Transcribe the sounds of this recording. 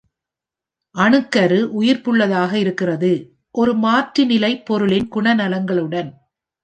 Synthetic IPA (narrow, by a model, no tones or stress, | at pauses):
ʔɐɳɯkːɐɾɯʔʊjɪɾpɯɭːɐðaːɣɐɪɾɯkːɪrɐðɯ | ʔɔɾɯmaːʈɾɯnɪlɐɪpːɔɾɯlɪnɡʊɳɐnɐlɐŋɡɐɭɯɽɐn